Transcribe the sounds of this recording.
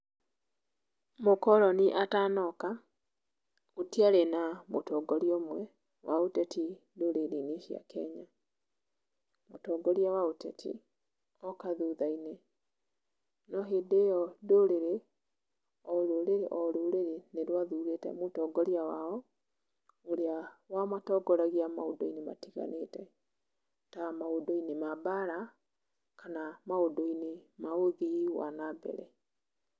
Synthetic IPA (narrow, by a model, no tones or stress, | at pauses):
mokɔɾɔniʔataːnɔka | otiaɾenamotɔɡɔɾjɔmwɛ | wʔaotɛti | doɾeɾeneʃja̰kɛ̰ɲa | motɔːɡɔɾjawaotɛtʰḭ | ɔkaðuðainɛ | nɔɦedejɔdoɾeɾe | ɔɾoɾeɾeʔɔɾoɾeɾeneɾwaðuɾetɛ̰motɔːɡɔɾiawaɔ | oɾeawamatɔɡɔɾaɣiamaodoinema̰tiɣa̰netɛ | tamaodoinemabaɾa | kanamaodoinemaoðiwa̰nabɛ̰ɾɛ